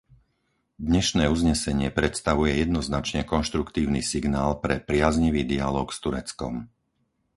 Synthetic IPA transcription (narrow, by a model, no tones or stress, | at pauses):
d̪ɲɛʃnɛːuzɲɛsɛɲɪɛpɾɛt̪st̪aʋujɛjɛd̪nɔznat͡ʃɲɛkɔnʃt̪ɾukt̪iːʊniːsiɡnaːlpɾɛpɾɪazɲiʋiːd̪ialɔːkst̪uɾɛt͡skɔ̰m